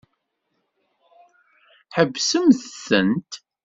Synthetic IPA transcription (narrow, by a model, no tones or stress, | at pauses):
ħəbːsəmθθənt̪